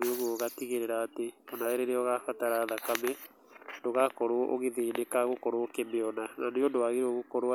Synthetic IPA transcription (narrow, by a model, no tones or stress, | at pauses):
eoɣoɣatiɣeɾeɾaːteɔnaeɾeɾeɔɣafataɾaːðakamɛ | ndoɣakɔɾooʔo̰ɣeðiːnekaɣokɔɾoːkemeɔnananeondoaɣeɾoɣokɔɾwa